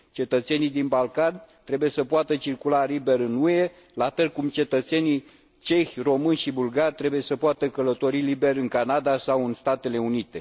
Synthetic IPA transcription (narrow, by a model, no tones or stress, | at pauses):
t͡ʃe̞t̪ət̪se̞nid̪inbalkant̪ɾe̞buje̞səpoat̪ət͡ʃirkulalibe̞ɾɨnue̞ | lafe̞lkumt͡ʃe̞t̪ət̪se̞ni | t͡ʃe̞xʲro̞mɨnʲʃibulɡarʲt̪ɾe̞buje̞səpoat̪əkələt̪o̞ɾilibe̞rɨŋkanad̪asawɨnst̪at̪e̞le̞unit̪e̞